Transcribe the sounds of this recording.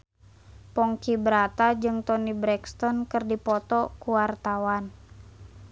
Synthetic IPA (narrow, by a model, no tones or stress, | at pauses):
pɔŋkibəɾat̪ad͡ʒɨŋt̪ɔnibɾɛkst̪ɔnkɨrdipɔt̪ɔkuwart̪awan